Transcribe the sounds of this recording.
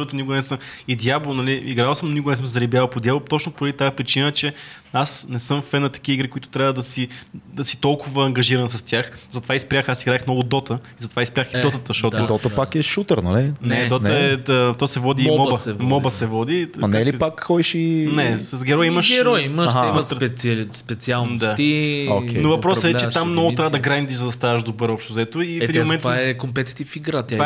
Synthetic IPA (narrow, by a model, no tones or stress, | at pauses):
ɔt̪ʊnikʊɡnɛsəm | id̪jablˠonɐliiɡɾalˠsəmnʊnikʊɡnɛsəmszɐɾibʲjavɐpod̪jablˠot̪ɔt͡ʃnʊpoɾɐd̪it̪aɛpɾit͡ʃinəɛt͡ʃɛ | asnɛsɤmffɛnət̪ɐ̥kiiɡɾikʊit̪ʊ̥t̪ɾʲavəd̪ɐsid̪ɐsi̥t̪ɔlˠkʊvɐːŋɡɐʒiɾɐnsɐst̪ʲjaxzɐt̪ovaispɾʲjaxasiɡɾaɛxmnɔɡʊd̪ɔt̪əizɐt̪ovaispɾʲjaxid̪ɔt̪ət̪əʃt̪ɔt̪ʊd̪ɔt̪əpakɛʃut̪əɾnɐ̰linɛd̪ɔt̪əɛət̪ɔsɛvɔd̪imɔbɐɛmɔbəsɛvɔd̪iɐnaɛlipakxɔiʃinɛsɐzɡɛɾɔjimɐʃɡɛɾɔjiməʃɛmt̪pɛspɛt̪sialˠnd̪at̪iokɛnovɐpɾɔsəɛt͡ʃɛammnɔɡʊt̪ɾavəd̪ɐɡɾand̪iʒzɐd̪ɐst̪avɐʃd̪obəɾɔpʃt̪ʊzɛt̪ʊiɛd̪immomɛnvaɛkompɛt̪i̥t̪ifiɡɾat̪va